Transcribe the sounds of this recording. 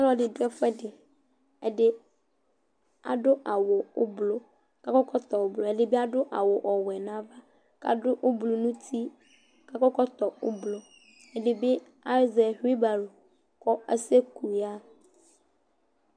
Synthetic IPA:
a˦lɔ˦dɪ˨dʊ˦ɛ˦fɛ˦dɪ˨ | ɛ˨dɪ˦ | a̰˨ɖʊ˦ʔa˨wʊ˨ʊ˦blo˦ | ka˦kɔ˦kɔ˦t̪ɔ˨wo˨blo˨ɛ˨dɪ˦be˦a˦dʊ˦ʔa̰˨wʊ˨ʔɔ˨wɛ˨nã˨˦va˦ | ka̰˨dʊ˦ʔʊ˦blo˨nũ˦t̪ʰi˦ | ka˦kɔ˦kɔ˦t̪ɔ˨ʊ˦blo˦ | ɛ˨dɪ˨bɪ˦ | a˦zɛ˨ɦi˦ba˨lo˨ | kɔ˦ɛ˦se˦ku˨ja˦

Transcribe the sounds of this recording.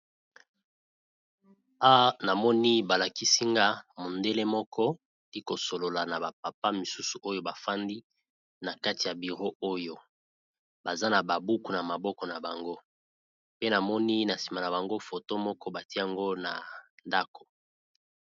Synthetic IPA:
a˦na˨mɔ˦ni˦ba˨la˨ki˦si˦ŋɡa˦mo˨nde˦le˦mɔ˦kʰɔ˦ | i˦ko˨so˨lo˨la˨na˨ba˨p̚a˨pa˦mi˨su˦su˨ʔo˦jo˦ba˨fa˦ndi˦ | na˨ka˦ti˨ja˨bi˨ʁo˦o˦jo˦ | ba˨za˦na˨ba˨bu˦ku˨na˨ma˨bɔ˦kɔ˨na˨ba˨ŋɡo˦ | pe˦na˨mɔ˦ni˦na˨si̥˨ma˨na˨ba˨ŋɡo˦fo˨to˦mɔ˦kɔ˦ba˨ti˦e˦a˨ŋɡo˦na˨nda˦ko̥˨

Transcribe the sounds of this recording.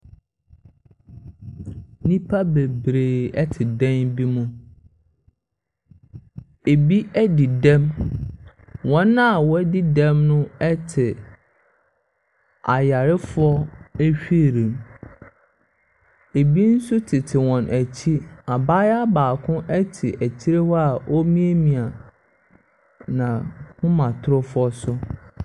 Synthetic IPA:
nĩ˦pʰa˦be˨bɾeː˨ɛ˦tʰɪ˨dɛ̃˦nbi˦mũ˦ | e˨bi˦æ˦dɪ˨dɛ̃˦m | wɔ̃˦nã˦˨wɔ˦dɪ˦dɛ̃˦mnʊ̃˦ɛ˦tʰɪ˨ | a˨ja˨ɾɪ˦fʊ˦ɔ˦æ˦ɕᶣi˦˨ɾĩ˨m | e˨bi˦n̩˦sʊ˦tʰɪ˨tʰɪ˨wɔ̃˨nʔæ˨t͡ɕʰi˦a˨baː˦ja˦baː˨kʰʊ̃˦ʔɛ˦tʰɪ˨ʔæ˨t͡ɕʰi˦ɾe˦wɔ˦a˨ʔɔ˦mĩ˦e˦mĩ˨a˨ | nã˨kʊ̃˦mã˨tʰʊ˦ɾʊ˦fʊ˦ɔ˦sʊ˦

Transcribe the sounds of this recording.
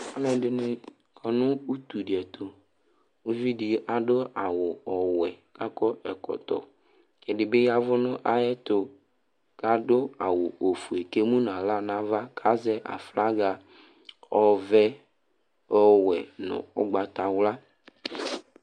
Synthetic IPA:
a˦nɛ̃˨dɪ˨nɪ̃˨ | kʰɔ˨nʊ̃˦u˦t̪u˨dɪ˨ɛ˨t̪ʊ˨ | u˦vi˦dɪ˨ʔa˨dʊ˦a˨wʊ˨ɔ˨wɛ˨ka˦kɔ˦ɛ˨kɔ̰˨t̪ɔ̰˨ | kɛ˨dɪ˨be˦ja˦vʊ˦nʊ̃˦ʔa˦jɛ˦t̪ʊ˨ | ka˨dʊ˦a˨wʊ˨o˨fu˨e˨ke˦mũ˦n˨ã˨la˦nã˦va˦kʰa˦zɛ˦ʔa̰˨fla˦ɡa˨ | ɔ˨vɛ˦ | ɔ˨wɛ˨nʊ̰̃˨ʊ̰˦ɡ͡ba˨t̪a˨wla˦

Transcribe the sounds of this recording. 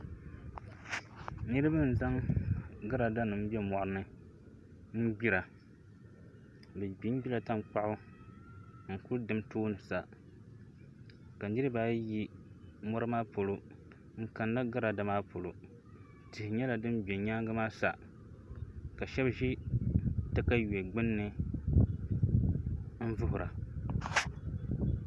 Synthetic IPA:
nɨ˦ɾɨ˦ba˦n̩˨za˦ŋɡa˦ɾa˨da˦nɨ˨m̩˦bɛ˦mɔ˨ʔnɨ˦ | n̩˦ɡ͡bi˦ɾa˨ | bɛ˨ɡ͡bi˦ɡ͡bi˦la˨ta˦mk͡pa˦ʔʊ˦ | ŋ̩˨ku˦dɨ˨mtoː˦nɨ˨sa˨ | ka˨˦dɨ˦ɾɨ˦baː˦ji˦mɔ˦ɾɨ˦maː˦po˨lo˨ | ŋ̩˨ka˨nːa˦ɡa˦ɾa˨da˨maː˦pʰo˨lo˨ | tɪ˨hɪ˨ɲɛ˦la˨dɨ˦mbɛ˨ɲaː˦ŋɡa˦maː˦sa˨ | ka˨ʃɛ˦bʒi˦ | tɨ˦ka˦jɛ˨ɡ͡bɪ˦nːɨ˦ | m̩˦vʊ˦hʊ˨ɾa˨

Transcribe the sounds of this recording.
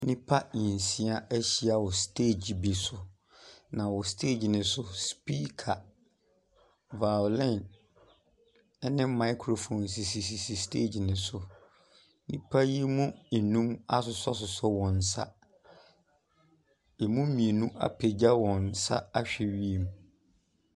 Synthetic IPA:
nĩ˦pʰa˦ĩ˨n˨sĩ˦a˦æ˦ɕi˦a˨wɔ˨stʰeː˦˨d͡ʑi˨bi˨sʊ˨ | nã˨wɔ˨stʰe˦˨d͡ʑnɪ̃˨sʊ˦spi˦kʰa˨ | va˨lɛ̃˦˨n˦ | nɪ̃˦mã˦ɪ˦kʰɾo˨fõ˨nsi˨si˨s̬i˨si˨stʰḛ˦˨d͡ʑi˨nɪ̃˨sʊ˨ | nĩ˦pʰa˦ji˦mũ˦n̩˨nũ˦ma˦sʊ˨sɔ˦sʊ˨sɔ˦wɔ̃˨n̩˨sa̰˦ | e˨mũ˦mĩ˨e˨nũ˦ʔa̰˨pʰe˨d͡ʑa˦wɔ̃˨n˨sa̰˦a˦ɕᶣɛ˨ɥi˦e˨mũ˨

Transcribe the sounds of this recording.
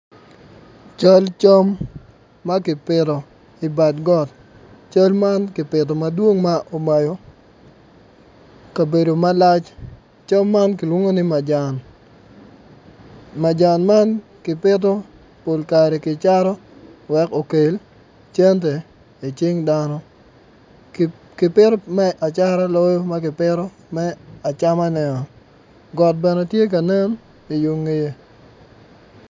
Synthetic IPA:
t͡ʃa˦lt͡ʃo˦mː | a˦kɪ˨pɪɾɔ˨ | ɪ˨ba˨dɡɔ˦˨t | t͡ʃo˦lma˦nkɪ˨pɪ˨tɔ˨ma˦dwo˦ŋma˦ʔo˨ma˨jo˦ | ka˨be˨do˨ma˦la˦t͡ʃ | t͡ʃo˦mːa˦nkɪ˨lwo˦ŋo˦nɪ˦ma˨d͡ʒn | ma˨d͡ʒa˨nma˦nkɪ˨pɪ˦t̬o˦ | po˨lka˨ɾɛ˨kɪ˨t͡ʃa˦ɾɔ˦wɛ˦ko˨ke˨l | t͡ʃe˦nt̬e˨ | i˨t͡ʃɪ˦ŋda˦nɔ˦ | kɪ˨pɪ˦ɾɔ˦mɛ˦ʔa˨t͡ʃa˦ɾa˦lɔ˦jo˦ma˦kɪ˨pɪ˦ɾɔ˦ | mɛ˦a˨t͡ʃa˦ma˦nɛ˨nɔ˨ | ɡɔ˨t̚bɛ˨nɛ˨tje˦k̬a˨ne˦n | ɪ˨ju˨˦ŋːe˦je˦

